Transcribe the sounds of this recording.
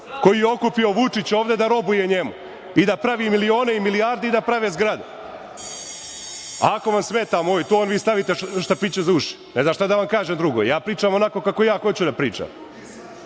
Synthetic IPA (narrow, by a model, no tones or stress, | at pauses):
ko̞jijeo̞kupio̞ʋut͡ʂit͡ɕo̞ːʋd̪e̞d̪aɾo̞bujeɲemu | id̪apɾaʋiːmilio̞ːneimiliaːɾd̪eid̪apɾaʋezɡɾad̪u | a̰ako̞ʋamsmet̪aːmoːjt̪oonʋiːst̪aʋit̪eʃt̪apiːt͡ɕezuːʃi̥nezaʃt̪ad̪aʋamkaːʒemd̪ɾuɡo̰jjaːpɾiːt͡ʃaːmo̞nako̞kako̞jaːxo̞t͡ɕud̪apɾiːt͡ʂa̰m